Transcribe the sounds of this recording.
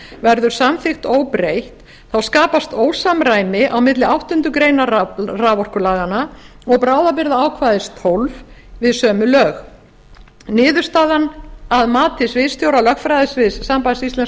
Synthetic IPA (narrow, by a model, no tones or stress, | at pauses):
vɛɾðʏɾ̥samθɪxt̪oːwpɾejht̪ | θawskaːpast̪oːwsamɾaːjmɪʔawmɪt̪lɪawht̪ʏnt̪ʏkɾejnaraːvɔr̥kʏlaːɣana | ɔɣpɾaːwðapɪɾðaaːwkʰvaːjðɪst̪ʰowlv | vɪðsœːmʏlœːɣ | nɪːðʏɾ̥st̪aːðanaðmaːt̪ʰɪsvɪðst̪jowɾalœxkfɾajðɪsvɪsːampajsist̪ɛns